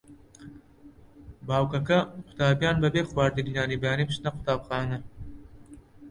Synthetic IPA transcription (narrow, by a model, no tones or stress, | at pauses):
baːwkɐkɐqʰʊ̥t̪aːbjaːnbɐbeːxwaːɾd̪ɨɡinaːnibjaːnibʃnɐqʰʊ̥t̪aːbxɑːnɐ